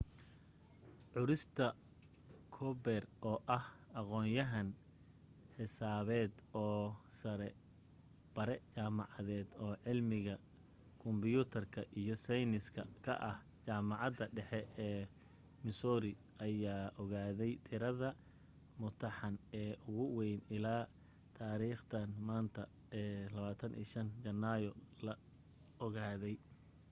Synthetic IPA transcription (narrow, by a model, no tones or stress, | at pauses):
ʕʊɾɪst̪ʰɐ | kʰɔbɛrɔːʔɐhɑqɔːnjɐɦɐn | ħɪsaːβɛːd̪ɔːsɐɾɛ | b̥ɐɾɛt͡ʃaːmɑʕɑðɛːd̪ɔːʕɪlmɪɣɐ | kʰʊmbɪjuːt̪ʰɐrkʰɐʔijɔsɛjnɪskʰɐkʰɐ̰ʔɐh | t͡ʃaːmɑʕɑd̪ɐɖɛħɛɛː | mɪsɔːɾɪ | ʔɐjaːʔɔɣaːðɛjt̪ʰɪɾɐðɐ | mʊt̪ʰɐħɑnɛːʔʊɣʊwɛjnɪlaː | t̪ʰaːɾiːχt̪ʰɐnmaːnt̪ʰɐ | ɛːlɐβaːt̪ʰɐnʔḭːʃɐnt͡ʃɐnːajɔlɐ | ɔɣaːðɛj